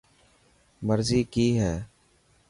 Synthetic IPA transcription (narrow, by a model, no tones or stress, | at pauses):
məɾziːkiːɦɛː